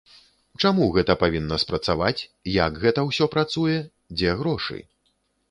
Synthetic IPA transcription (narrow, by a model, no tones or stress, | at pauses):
t͡ʂamuɣɛt̪ɐpavʲinːɐspɾɐt̪savat͡sʲjɐɡɣɛt̪ɐwsʲɔpɾat̪sujɛ | d͡zʲɛɣɾɔʂɨ̰